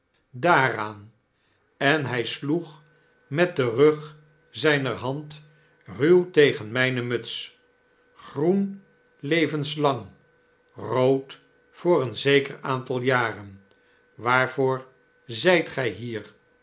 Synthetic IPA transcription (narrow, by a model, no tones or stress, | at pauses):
daːraːn | ɛnɦɛjsluχ | mɛt̚dərøχ | zɛjnərɦɑnt | rywtejχənmɛjnəmɵts | χrun | lejvənslɑŋ | rowt | fʊːɾənzejkəraːntɑlˠjaːrən | ʋaːɹvʊːɹ | zɛjtχɛjɦiːɹ